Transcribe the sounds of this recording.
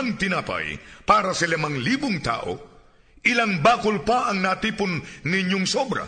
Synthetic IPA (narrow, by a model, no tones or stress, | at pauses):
ŋt̪ɪnaːpa̰jpaːɾɐsɐlɪmaŋliːbʊŋt̪a̰ːʔo̞̰ | ʔɪlaŋbaːkʊlpaʔɐŋnat̪iːpʊnnɪɲjoŋsobɾɐ̰